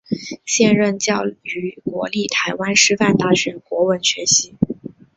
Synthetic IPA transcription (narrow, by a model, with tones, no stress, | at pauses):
ɕjɛ˥˧nɻə˥˧nt͡ɕjɑ˥˩ʊy˧˥kwɔ̰˧˥li˥˩t̪ʰa˧˥ɪwa˥nʂɻ̩˥˧fa˥˧nt̪a˥˩ɕɥɛ˧˥nkwɔ˧˥wə˥˩nɕɥɛ˧˥ɕi˧˥